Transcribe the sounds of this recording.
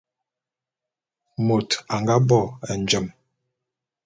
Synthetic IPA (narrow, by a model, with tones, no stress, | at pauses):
mo˨ta˨ŋɡa˦bɔ˦˨ɛ˨n˨d͡ʒə˨m